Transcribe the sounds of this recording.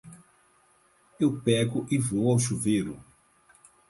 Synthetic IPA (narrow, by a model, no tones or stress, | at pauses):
ewpɛɡʊʔɪvowawʃuvejɾʊ̰